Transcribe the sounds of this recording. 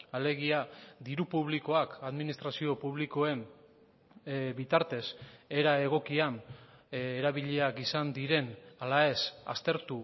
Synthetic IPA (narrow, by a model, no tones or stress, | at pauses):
ale̞ɣ̞iad̪iɾupuβliko̞akaðminist̪ɾasio̞puβliko̞e̞n | bit̪aɾt̪e̞se̞ɾae̞ɣ̞o̞kian | eɾaβiʎe̞akisand̪iɾe̞nalae̞sa̰st̪e̞ɾt̪u